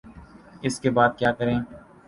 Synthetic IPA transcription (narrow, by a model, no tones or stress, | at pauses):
ɪskebaːd̪̚kjaːkəɾẽː